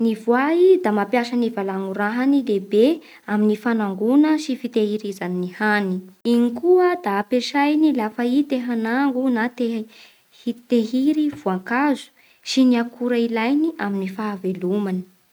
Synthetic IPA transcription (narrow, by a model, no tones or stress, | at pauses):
nivwaid̪amapjaʃənivalaŋuɾaɦanilebe | aminifanaŋɡunəsifit̪ehiɾizaninihaniinikuəd̪aːpeʃajnilafəit̪eɦanaŋɡunat̪eɦ | hit̪eɦiɾivuaŋkazu̥ | siniakʰuɾailajniʔaminifaːvelumani̥